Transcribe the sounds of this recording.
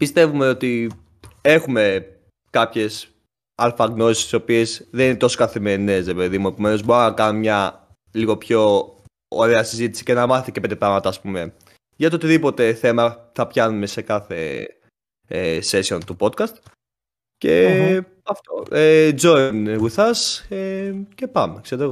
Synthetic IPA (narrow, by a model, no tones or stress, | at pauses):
pist̪e̞vume̞o̞t̪i | e̞xume̞ | kɐpçe̞s | ɐlfɐɣno̞si̥st̪iso̞pie̞zðeninet̪o̞so̥kɐθime̞ɾine̞sɾepe̞ðimue̞pome̞nozboaɐkɐnomɲɐ | liɣo̞pço̞̰ː | ɾe̞ɐsizit̪i̥si̥cenɐmɐθiceped̪epɾɐɣmɐt̪ɐːspume̞ | ʝɐt̪ot̪iðipo̞t̪e̞θe̞mɐθɐpçɐnume̞sekɐθe̞̰ | ese̞sio̞nt̪upo̞t̪̚kɐst̪ | ce | ɐft̪o̰ed͡zo̞inɣuθɐsece̞pɐmekseɾtoeɣo